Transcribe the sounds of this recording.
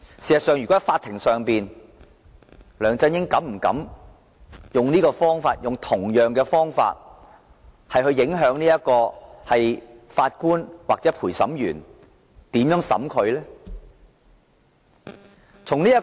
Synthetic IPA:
siː˨˩sɐ˨tsœː˨˧ŋjyː˨˩kɔː˨˥˨faː˧t̪ʰːɪ˨˩ŋsœː˨ŋpiː˨n | lœː˨˩ŋt͡sɐ˧njɪ˥ŋkɐ˨˥mm̩˨˩kɐ̰˨˥m | jʊ˨ŋniː˥kɔː˧fɔː˥ŋfaː˧t̚jʊ˨ŋt̪ʰʊ˨˩ŋjœː˨ŋkɛː˧fɔː˥ŋfa̰ː˧t̚ | hɐ˨jhɵ˧ɥjɪ˨˥ŋɦœː˨˥ŋniː˥jɐ˥t̚kɔː˧hɐ˨jfaː˧t̚kuː˥nwaː˨k̚t͡sɛː˨˥pʰuː˨˩jsɐ̰˨˥mjyː˨˩n | t̪iː˨˥mjœː˨˥ŋsɐ̰˨˥mkʰɵ˨˧ɥlɛː˥ | t͡sʰʊ˨˩ŋniː˥ɐ˥

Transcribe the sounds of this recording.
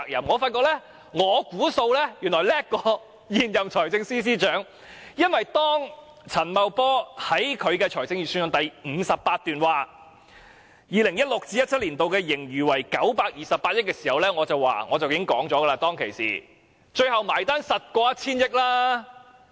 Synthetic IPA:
k̚jɐ̰˨˩mŋɔː˨˧faː˧t̚kɔː˧k̚lɛ˥ | ŋɔː˨˧kuː˨˥so˧wlɛ˥jyː˨˩nlɔː˨˩jlɛː˥kːɔː˧ | jiː˨njɐ˨mt͡ʃʰɔː˨˩jt͡sɪ˧ŋsiː˥s̬iː˥t͡ʃœː˨˥ŋ | jɐ˥nwɐ˨jt̪ɔː˥ŋ | t͡sʰɐ˨˩nmɐ˨˧wpɔː˥hɐ˨˥jkʰɵ˨˧ɥkɛː˧t͡ʃʰɔː˨˩jt͡sɪ˧ŋjiː˨syː˧njʊ˧˨ŋt̪ɐ˨jm̩ː˨˧sɐ˨pːaː˧t̚t̪yː˨nwaː˨ | jiː˨˧lɪ˨˩ŋjɐ˥t̚lʊ˨k̚t͡siː˧˥ɐ˥t̚ʰɐ˥t̚liː˨˩nt̪o˨wkɛː˧jɪ˨˩ŋjyː˨˩wɐ˨˩jkɐ˨˥wpaː˧k̚jiː˨sɐ˨pːaː˧t̚jɪ˥kːɛː˧siː˨˩hɐ˨wlɛː˥ŋɔː˨˧t͡sɐ˨˩wwa̰ː˨ŋɔː˨˧t͡sɐ˨wjɪ˨˥ŋkɔː˨˥ŋt͡ʃɔː˨˥ɡə˧laː˧t̪ɔː˥ŋkʰḛ˨˩jsḭː˨ | t͡ʃɵ˧ɥhɐ˨wmaː˨˩jt̪aː˥nsɐ˨t̚kɔː˧jɐ˥t̚t͡sʰiː˥njɪ˥k̚laː˥

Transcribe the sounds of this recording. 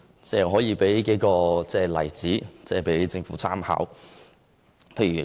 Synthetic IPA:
t͡sɛː˥˩ɦɔː˨˥jiː˨˧pe˨˥jke˨˥jkɔː˧t͡sɛː˥˧lɐ˨˩jt͡siː˨˥t͡sɛː˥˧pe˨˥jt͡sɪ˧ŋfuː˨˥t͡sʰaː˥mha̰ː˨˥w | pʰe˧jɥyː˨˩

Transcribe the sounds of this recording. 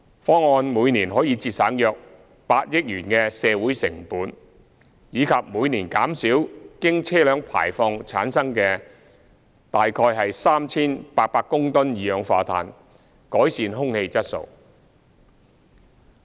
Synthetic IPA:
fɔː˥ŋɔː˧nmuː˨˧jniː˨˩nɦɔː˨˥jiː˨˧t͡siː˧t̚saː˨˥ŋjœː˨k̚ | paː˧t̚jɪ˥k̚jyː˨˩nkɛ˧sɛː˨˧wuː˨˥jsɪ˨˩ŋpuː˨˥n | jiː˨˧kʰɐ˨p̚muː˨˧jniː˨˩nkaː˨˥msiː˨˥wkɪ˥ŋt͡sʰɛː˥lœː˨˧ŋpʰa̰ː˨˩jfɔː˧ŋt͡sʰaː˨˥nsɐ˥ŋkɛː˧ | t̪aː˨jkʰɔː˧jɦɐ˨jsaː˥mt͡sʰiː˥npaː˧t̚paː˧kːʊ˥ŋt̪ʊ˥njiː˨˧jœː˨˧ŋfaː˨˧t̪ʰa̰ː˨n | kɔː˨˥jsiː˨˧nɦʊ˥ŋhe˧jt͡sɐ˥t̚so̰˨˧w

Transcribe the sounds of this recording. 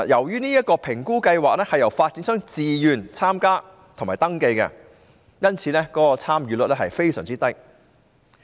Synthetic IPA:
jɐ˨˩wjyː˥niː˥jɐ˥t̚kɔː˧pʰɪ˨˩ŋkuː˥kɐ˧jwaː˨k̚lɛː˥hɐ˨jɐ˨˩wfaː˧t̚t͡si˨˥nsœː˥ŋt͡siː˨jyː˨nt͡sʰaː˥mkaː˥ | t̪ʰo˨˩ŋmaː˨˩t̪ɐ˥ŋke˧jkɛ̰˧ | jɐ˥nt͡sʰiː˨˧lɛː˥kɔː˥kɔ˧t͡sʰaː˥mjyː˨˧lɵ˨˥t̚lɛː˥ɦɐ˨jfe˥jsœː˨˩ŋt͡siː˥t̪ɐ˥k̚

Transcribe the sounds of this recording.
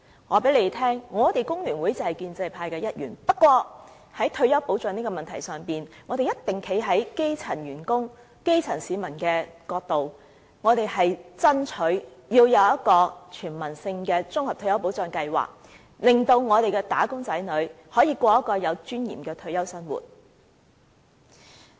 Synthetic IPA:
ŋɔː˨˧pe˨˥le˨˧jt̪ʰɛː˥ŋŋɔː˨˧t̪e˨jkʊ˥ŋlyː˨˩nwuː˨˥jt͡sɐ˨hɐ˨˩jkiː˧nt͡sɐ˧jpʰaː˧jkɛː˧jɐ˥t̚jyː˨˩npɐ˥kːwɔː˧ | hɐ˨˥jt̪ʰɵ˧ɥjɐ˥wpo˨˥wt͡sœː˨˧niː˥kɔː˧mɐ˨nt̪ʰɐ˨˩jsœː˨ŋpiː˨˩nŋɔː˨˧d̪e˨jɐ˥t̪̚t̪ɪ˨˩ŋkʰe˨˥jɦɐ˨˥jke˥jt͡sʰɐ˨˩njyː˨˩nkʊ˥ŋ | ke˥jt͡sʰɐ˨˩nsiː˨˧mɐ˨˩nkɛː˧kɔː˧k̚t̪o˨w | ŋɔː˨˧t̪e˨jhɐ˨jt͡sɐ˥nt͡ʃʰɵ˨˥ɥjiː˧wjɐ˨˧wjɐ˥t̚kɔː˧t͡ʃʰyː˨˩nmɐ˨˩nsɪ˧ŋkɛː˧t͡sʊ˥ŋhɐ˨p̚tʰɥjɐ˥wpo˨˥wt͡sœː˨˧ŋkɐ˧jwa̰ː˨˩k̚ | lɪ˨˩ŋt̪o˧wŋɔː˨˧t̪e˨jkɛː˧t̪aː˨˥kʊ˥ŋt͡sɐ˨˥jnɵ˨˥ɥ | hɔː˨˥jiː˧kʷɔː˧jɐ˥kɔː˧jɐ˨˧wt͡ʃyː˥njḭː˨˩mkɛː˧t̪ʰɵ˧ɥjɐ˥wsɐ˥nwṵː˨˩t̚

